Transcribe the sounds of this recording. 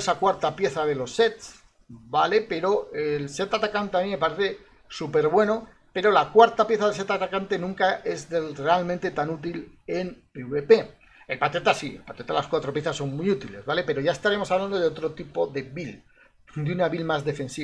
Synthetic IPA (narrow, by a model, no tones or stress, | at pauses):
esakwaɾt̪apje̞θaðe̞lo̞sːe̞t̪s | bale̞pe̞ɾo̞else̞t̪at̪akant̪eamĩme̞paɾe̞θe̞ | supe̞ɾβwe̞no | pe̞ɾo̞lakwaɾt̪apje̞θaðese̞t̪at̪akant̪e̞nũŋkaʔe̞zðre̞almẽnt̪e̞t̪anut̪̬ilempeuβepe̞ | elpat̪et̪asiḛlpat̪et̪alaskwat̪ɾo̞pje̞θasːo̞ŋmujut̪ile̞zβale̞pe̞ɾo̞ʝae̞st̪aɾemo̞saβland̪o̞ðeo̞t̪ɾo̞t̪ipo̞ðe̞βil | d̪eunaβilmazðe̞fe̞nsi